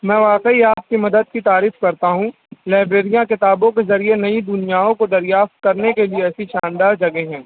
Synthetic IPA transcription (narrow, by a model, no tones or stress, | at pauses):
mɛ̃ːʋaːqəiaːp̚kimɐd̪əd̪̚kit̪aːɾiːfkɐɾt̪aɦũ | laːɪbɾeːɾijãkɪt̪aːbõkezɐɾienɐid̪ʊnijaːõkod̪ɐɾjaːft̪̚kɐɾnekelieɛːsiʃãːnd̪aːɾd͡ʒɐɡeɦɛ̃ː